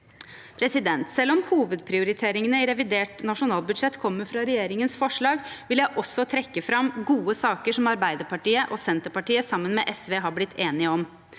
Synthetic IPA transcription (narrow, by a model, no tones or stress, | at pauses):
pʰɾɛsɪd̪ɛnt̪sɛlːɔmhuːʋəd̪pʰɾɪʊɾɪt̪ʰeːɾɪŋənəɪɾɛʋɪd̪eːʈnɑʂʊnɑːlbʉd̪ʂɛt̪ːkʰɔmːəɾfɾɑɾɛjeːɾɪŋənsfɔʂɭɑːɡʋɪljæɪʔɔsːɔt̪ʰɾɛkːəfɾɑmɡuːəsɑːkəʂɔmɑɾbæɪd̪əɾpʰɑʈiːəʔɔsɛnt̪əpɑʈiːəsɑmːənmɛːʔɛsʋeːɦɑblɪt̪ʰːeːnɪəɔm